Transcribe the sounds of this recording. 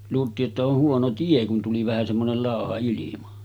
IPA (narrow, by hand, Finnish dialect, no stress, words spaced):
luːltˑiːʔ ʔetːæ oh huono tie kun tuli ʋæhæ semːonel lɑˑohɑ ilimɑ